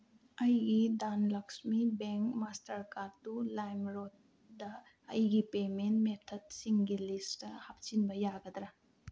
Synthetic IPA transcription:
ɐjɡidanlɐksmibeŋkmastɐɾkaɾtulajmɾot̚ | dɐː | jɡipementmet̪ʰɐd̚siŋɡilistɐhap̚t͡ʃinbɐjaɡɐd̪ɾa

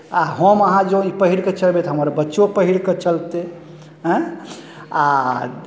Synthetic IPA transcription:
aɦəməɦãd͡ʒoipəɦiɽket͡ʃəlbet̪ɔɦəməɾbətːʃopəɦiɽket͡ʃəlt̪e | ɦɛ̃ | a

